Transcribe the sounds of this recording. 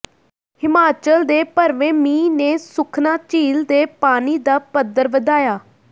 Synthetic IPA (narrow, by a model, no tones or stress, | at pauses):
hɪmaːt͡ʃəld̪eːpəɾʋeːmĩːneːsʊkʰnaːt͡ʃiːld̪eːpaːniːd̪aːpəd̪ːəɾʋəd̪aːjaː